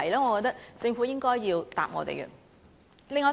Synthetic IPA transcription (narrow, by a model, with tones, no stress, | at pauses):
jlaː˥ŋɔː˨˧kɔ˧t̪̚ɐ˥k̚t͡sɪ˧ŋfuː˨˥jɪ˥ŋkɔː˥jːiː˧wt̪a̰ː˨p̚ŋɔ̰ː˨˧t̪ḛ˨˩jkə̰˧ | lɪ˧˥ŋɔː˨˥